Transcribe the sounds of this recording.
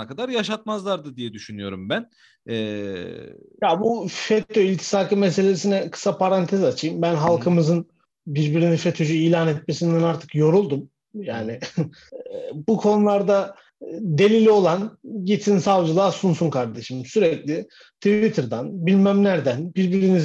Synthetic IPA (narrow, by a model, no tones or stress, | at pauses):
akad̪aɾjaʃat̪̚mazlˠaɾd̪ɯd̪ijɛd̪yʃynyjo̞̰ɾumbæn | ɛ | jabufet̪ʰoilʲt̪ʰi̥saːkɯmese̞lʲe̞sinɛkʰɯ̥sapʰaɾant̪ʰɛzat͡ʃʰɯjɯmbænɦalˠkʰɯmɯzɯn | biɾbiɾinifet̪ʰod͡ʒyijlʲaːnɛt̪me̞sind̪ɛnaɾt̪ʰɯ̥kjo̞ɾulˠd̪um | jaːnɪ | bukʰo̞nulˠaɾd̪a | d̪e̞lʲilʲo̞lˠanɟit̪ʰinsavd͡ʒɯlˠaːsunsunkʰaɾd̪e̞ʃɯmsyɾɛclʲɪ | t̪ʰivit̪ʰɯɾd̪anbilʲmæmlʲæɾd̪ænbiɾbinɾini